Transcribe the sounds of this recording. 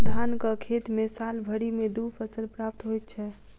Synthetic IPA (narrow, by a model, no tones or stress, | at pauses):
d̪ʱankəkʰet̪mesalbʱəɽimed̪upʰəsəlpɾap̚t̪ɦojt̪̚t͡ʃʰɛ